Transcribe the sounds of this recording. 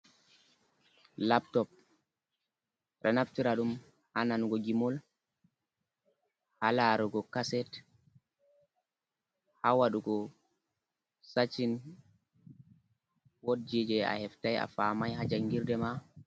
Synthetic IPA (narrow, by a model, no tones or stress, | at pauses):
laptɔp̚ | ɾanaftiɾaɗum | hananɡɔɡimɔl | halaɾɔɡɔkasɛt | hawaɗuɡɔ | sat͡ʃːin | wod̚d͡ʒid͡ʒɛa̰hɛftaja̰famajɦad͡ʒaŋɡiɾdɛma